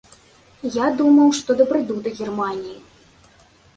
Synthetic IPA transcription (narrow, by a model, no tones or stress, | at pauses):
jad̪umɐwʂt̪ɔd̪ɐbɾɨd̪ud̪ɐɣʲɛrmanʲiji